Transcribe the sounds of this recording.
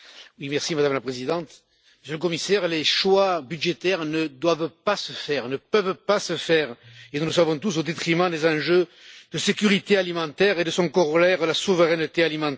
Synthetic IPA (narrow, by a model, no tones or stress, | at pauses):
wimɛʁsimad̪amlapχezid̪ɑ̃t̪ | məsjələkɔmisɛʁleʃwabyd̪ʒet̪ɛʁnəd̪wavpasəfɛʁnəpœvpasəfɛʁenuləsavɔ̃t̪us̬od̪et̪χimɑ̃d̪ezɑ̃ʒø | d̪əsekʲyʁit̪ealimɑ̃t̪ɛʁed̪əsɔ̃kɔʁɔlɛʁəlasuvəʁɛnət̪ealimɑ̃